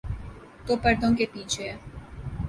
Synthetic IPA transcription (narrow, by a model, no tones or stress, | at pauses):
t̪opəɾd̪õŋkepiːt͡ʃʰe